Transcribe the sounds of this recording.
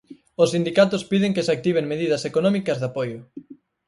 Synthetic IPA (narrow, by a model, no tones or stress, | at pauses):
osind̪ikat̪ʊspiðɪŋkesak̚t̪iβ̞eŋmeðið̞ɐsekonɔmikɐzðapojʊ